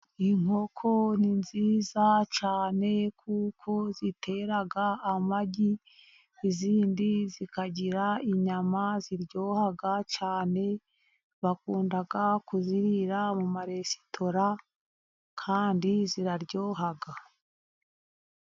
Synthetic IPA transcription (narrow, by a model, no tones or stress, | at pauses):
iŋ̥ho̞kʰo̞ninziːzat͡ʃaːne̞kʰuːkʰo̞zitʰe̞ɾaɡaːmaɟi | iziːndizikaɟiɾaiɲamaziɾɟo̞ːhaɡat͡ʃaːne̞ | βakuːndaɡakuziɾiɾamumaɾe̞si̥tʰo̞ɾa | kʰaːndiziɾaɾɟoːɦaɡa